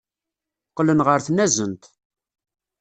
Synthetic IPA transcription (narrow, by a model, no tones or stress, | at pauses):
qːlənʁəɾθnæzənt̪